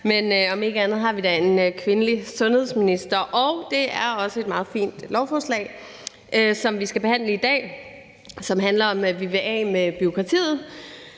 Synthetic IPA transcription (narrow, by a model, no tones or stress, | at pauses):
menɒ̽me̝ɡ̥əænð̞̩ˠɦɑ̈ʋid̥æe̝nkʰʋe̝nəlisɔ̽nhe̝ðˠsminisd̥ɐʔɒʊd̥e̝æɐɒ̽səe̝d̥mɑ̈ːð̞̩ˠfḭːnd̥lɒʊfɒːslɛ̰ɪ | ʔøsɒ̽mʋisɡ̥æb̥e̝hæn̰ləid̥ɛ̰ː | sɒ̽mɦænlɐɒ̽mʋeʋeʔɛ̰ːmeb̥yo̝kʰʁɑ̈t͡sʰḭːð̩ˠ